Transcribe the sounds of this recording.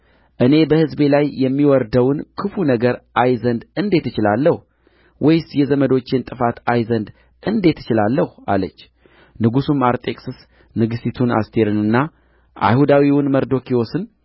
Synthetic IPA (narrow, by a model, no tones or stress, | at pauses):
ʔɨne̞bəhɨzbe̞lajːɛmːiwɔɾd̪əwnkʰɨfunəɡəɾʔajzənd̪ɨnd̪e̞t̪ːɨt͡ʃɪlalːəh | wʔɔjɪst̪jɛzəməd̪o̞t͡ʃːent̪ʼɨfat̪ajzənd̪ | ʔɨnd̪e̞t̪ːɨt͡ʃɪlalːəhua̰lət͡ʃː | nɨɡusumaɾt̪ʼe̞kʼsɨs | nɨɡɨsit̪ʰuna̰st̪ʰe̞ɾɨnɨnːa | ʔa̰jhud̪awiwʊnməɾd̪o̞kʰiosɨn